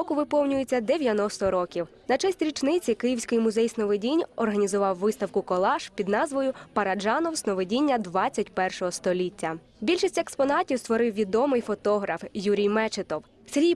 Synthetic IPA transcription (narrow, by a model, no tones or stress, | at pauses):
ɔkʊʋɪpɔwnʲʊjet͡sʲːɐd̪eʋʲjɐnɔst̪ɔɾɔkʲiwnɐt͡ʃɛsʲtʲɾʲit͡ʃnɪt͡sʲikɪjiwsʲkɔjimʊzɛjsnɔʋedʲinʲɔrɦɐnʲizʊʋɑwːɪst̪ɐwkʊkɔlˠɑʃpʲid̪nɑzʋɔjʊpɐɾɐd͡ʒɑnɔwsnɔʋedʲinʲːɐd̪ʋɑt͡st͡sʲːɐtʲpɛrʃɔɦɔst̪ɔlʲitʲːɐ | bʲilʲʃisʲtʲekspɔnɑtʲiwst̪ʋɔɾɪwʋʲid̪ɔmɪjfɔt̪ɔɦɾɐfjuɾʲijmɛt͡ʃet̪ɔw | sɾʲij